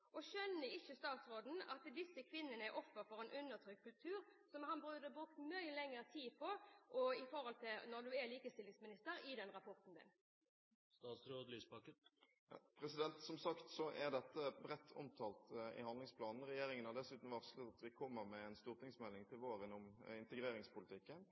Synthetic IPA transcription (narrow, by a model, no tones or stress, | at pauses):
ʔɔʃœnːəɪçːəst̪ɑːt̪sɾoːd̪n̩ɑt̪d̪ɪsːəkʰʋɪnːənəæɾʔɔfːəɾfɔʁɛnʔʉnːəʁt̪ʰɾʏkʰkːʉlpt̪ʰʉːɾsɔmhɑnbʁʉːd̪əbɾʉkt̪mœʏəlɛŋːəɾət̪ʰiːpʰɔʔɔɪfɔɾhɔlt̪ʰɪlnɔd̪ʉɛliːkəst̪ɪlːɪŋsmɪnɪst̪əɾɪd̪ɛnɾɑpʰɔʁt̪n̩d̪ɪ̰n | st̪ɑːt̪sɾoːd̪lyːspɑkə | pʰɾɛsɪd̪ɛnt̪sɔmsɑkt̪sɔʔæʁd̪ɛt̪ːəbɾɛt̪ʰːɔ̰mt̪ʰɑːlt̪ɪ̰hɑnd̪lɪŋspʰlɑːnn̩ʁɛjeːɾɪŋənɑd̪ɛsʉːt̪n̩ʋɑʁsklət̪ɑt̪ʋɪkʰɔmːəɾmɛɛnst̪uːʁt̪ɪŋsmɛlːɪŋt̪ʰɪlʋoːɾənɔmɪnt̪əɡɾeːɾɪŋspʊlɪt̪ʰɪkːən